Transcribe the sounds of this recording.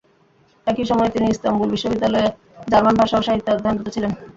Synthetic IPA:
ɛkiʃɔmɔet̪iniist̪ambulbiʃːobid̪ːalɔe | d͡ʑaɾmanbʱaʃaoʃaɦit̪ːed̪ʱanʈot̪ot͡ɕʰilen

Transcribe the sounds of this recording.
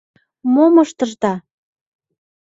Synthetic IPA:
momɤʃt̪ɤ̆ʃt̪ɑ

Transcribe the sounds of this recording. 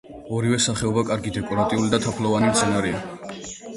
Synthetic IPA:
ɔɾivɛsaχɛɔbakʼaɾɡid̪ɛkʼɔɾat̪ʼiulid̪at̪ʰapʰlˠɔvanimt̪sʰɛnaɾɛa

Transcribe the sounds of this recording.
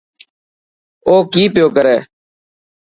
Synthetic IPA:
oːkiːpjoːkəɾɛː

